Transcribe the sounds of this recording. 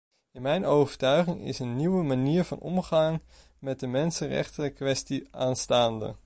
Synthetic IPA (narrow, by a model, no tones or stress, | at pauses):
ɪnmɛjnowvəɹtœɥχɪŋɪ̰sənːiwəmaniːɹvɑ̰nɔ̰mχɑŋ | mɛt̚dəmɛnsənrɛ̰χtəkʋɛstiaːnstaːndə̰